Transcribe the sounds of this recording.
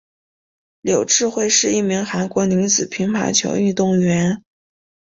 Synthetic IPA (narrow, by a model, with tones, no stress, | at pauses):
ljo˨˩ʊʈ͡ʂɻ̩˥˧xwe˥˧ɪʂɻ̩˥˧i˥˩mi˧˥ŋxa˧˥nkwɔ˧˥ni˧˥ŋt͡sɹ̩˨˩pʰi˧˥ŋpʰa̰˧˥ɪt͡ɕʰjo̰˧˥ʊy˥˧t̪ʊ˥˩ŋɥɛ˧˥n